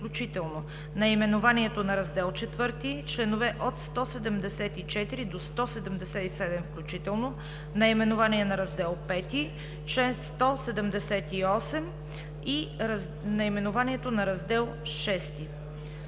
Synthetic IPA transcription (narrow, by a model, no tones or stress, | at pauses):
klʲut͡ʃit̪ɛlˠno | nɐimɛnʊvaniɛt̪onɐɾɐzd̪ɛlˠt͡ʃɛt̪vɤɾt̪it͡ʃlɛnʊvɛʔot̪st̪ɔsɛd̪əmd̪ɛsɛt̪it͡ʃɛt̪iɾid̪ost̪ɔsɛd̪əmd̪ɛsɛt̪isɛd̪ɛmfklʲut͡ʃit̪ɛlˠno | nɐimɛnʊvaniɛnɐɾɐzd̪ɛlˠpɛt̪i | t͡ʃlɛnst̪ɔsɛd̪əmd̪ɛsɛt̪iɔsɛm | i | nɐimɛnʊvaniɛt̪onɐɾɐzd̪ɛlˠʃɛst̪i